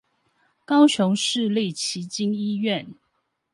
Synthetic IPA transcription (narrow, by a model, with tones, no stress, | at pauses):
kɑ˦˥ʊɕʊ˨˦ŋʂɻ̩˥˨li˥˨t͡ɕʰi˨˥t͡ɕi˥ni˥˦ɥɛ˥˨n